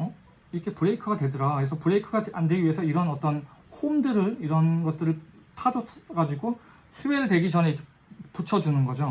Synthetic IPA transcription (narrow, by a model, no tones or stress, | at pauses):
ʌ | iɾkʰe̞pɯɾe̞ikʰɯɡadwe̞dɯɾakes̬ʰʌpɯɾeikʰɯɡaande̞ɡiɥiesʰʌiɾʌnʌt͈ʌnhomdɯɾɯɾiɾʌnɡʌt̚t͈ɯɾɯɭtʰad͡ʑʌɡad͡ʑiɡo | sʰɯweɭdweɡid͡ʑʌnɦeikʰe | put͡ɕʰʌdunɯnɡʌd͡ʑo